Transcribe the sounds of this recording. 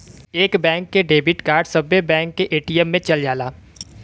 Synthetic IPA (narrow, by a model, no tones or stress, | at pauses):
eːkbɛ̃ːŋkːeɖeːbɪʈkaːɾɖsɐbːebɛ̃ːŋkːeʔeːʈiːɛmːẽt͡ʃɐld͡ʒaːlaː